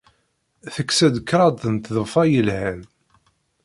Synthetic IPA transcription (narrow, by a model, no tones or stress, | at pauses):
θəkːsæd̪kːɾˤɑd̪ˤənt̪ðəfɑjəlhæn